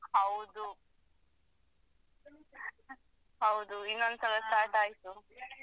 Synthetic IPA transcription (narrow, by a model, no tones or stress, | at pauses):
hɐwd̪u | ɦɐwd̪uinːond̪sɐlɐsʈaːɾʈaːjt̪u